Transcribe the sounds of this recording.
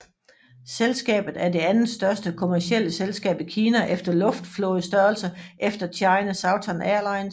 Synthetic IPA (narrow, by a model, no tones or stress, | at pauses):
selsɡ̥ɛ̰ːb̥ð̩ˠæɐde̝ænð̩sd̥ɶɐsd̥əkʰo̝mæɐsiel̰əselsɡ̥ɛ̰ːb̥ikʰiːnæʔefd̥ɐlɔ̽fd̥flɔ̽ːð̩ˠsd̥ɶɐl̩sɐʔefd̥ɐt͡sʰɑ̈ɪnəsɑ̈ʊt͡sʰɒnæɐlɑ̈ɪ̰n